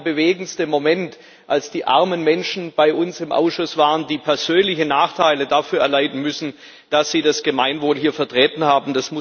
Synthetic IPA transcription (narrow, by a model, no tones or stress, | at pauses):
bəveːɡn̩stəmomɛnt | ʔalsd̥iːʔa̰ɐmənmɛnʃn̩b̥aɪʔʊnsɪmʔa̰ʊsʃʊsv̥aːʁəndiːpʰɛɐz̥øːnlɪçənaːχtʰaɪlədafyːɐɛɐlaɪtn̩mʏsn̩ | d̥asz̥iːdasɡ̥əmaɪnvoːlɦiːɐfɛɐtʁ̥ɛːtn̩haːbm̩d̥asmʊ